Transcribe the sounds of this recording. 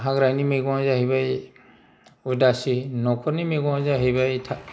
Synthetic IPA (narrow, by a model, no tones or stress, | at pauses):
ɦaɡɾajnimeɡɔzaɦibaj | udasinɔkʰɔɾnimeɡɔ̃zaɦibajtʰa